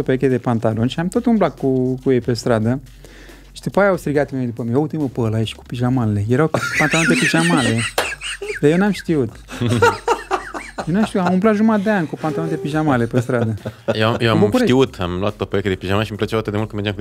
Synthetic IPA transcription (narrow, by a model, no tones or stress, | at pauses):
opoek̬ʲed̪epant̪alo̞nʃiamt̪ot̪unblakkːukujejpest̪ɾad̪ə | ʃi̥d̪upajaawst̪ɾiɡat̪ed̪upəmieult̪iməpəlaeʃku̥piʒamalelejeɾawpant̪alont̪epiʒamale | d̪ajewnamʃt̪iut̪ | jewnamʃt̪iuamumplat̪ʒumad̪eankupant̪alo̞nt̪epiʒamalepes̬t̪ɾad̪əjeajewambukuʃet̪iut̪a̰mloat̪ːot̚peoeked̪epiʒamanʃimplət͡ʃawat̪ɨd̪eult̪kəmeɾd͡ʒamk